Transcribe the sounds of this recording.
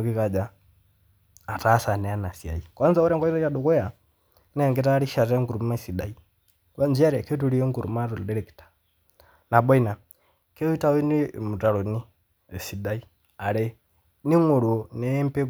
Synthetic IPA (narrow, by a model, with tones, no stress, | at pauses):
ki˦ka˨d͡ʒa˨ | ta˦sa˨nɛ˨a˦na˨si˨a̰˨i˨kwa˦nza˦u˦ɾɛ˦ŋɡa˦i˦ta˦ja˦du˨kɛ˦ja˨ | nɛ˨ŋɡɛ˦ta˦ɾi˦ʃa˨ɾɛ˦ŋɡu˨ɾu˨m˦ma˦˨si˨da̰˨i˨ | ka˦nd͡ʒi˦a˦ɾɛ˨kɛ˦tu˦ɾi˦ɛ˦ŋɡu˨ɾṵ˨ma˦ɾɔ˨ldɛ˦ɾɛ˨ki̥˨tḁ | na˨bɔ˦i˦na˨ | kɛ˦i˦ta˦wi˦ni˦mu˨ta˨ɾɔ˨ni˦ | ɛ˨si˨da˦i˦ | a˨ɾɛ˨ | ni˦ŋu˨ɾu˨ɔ˨nɛ˦mpɛ˦